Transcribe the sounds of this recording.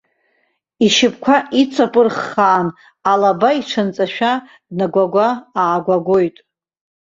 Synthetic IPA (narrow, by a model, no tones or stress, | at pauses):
iʃɪpʰʼkʷʰaʔit͡sʷʰapʼɨrχːaːn | alabaiʈ͡ʂʰant͡sʼaʃᶣa | dnaɡʷaɡʷaaːɡʷaɡʷo̞jtʼ